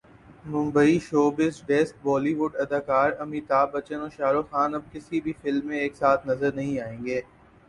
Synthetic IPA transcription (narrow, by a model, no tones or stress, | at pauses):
mʊ̃mbəiʃoːbɪsɖɛːsʈ̚bɔːliʋʊɖɐd̪aːkaːɾɐmiːt̪aːbɐt͡ʃənoːʃaːɾoxaːnɐb̚kɪsibʱifɪlmːẽeːksaːt̪ʰnɐzəɾnɐɦĩaːẽːŋɡeː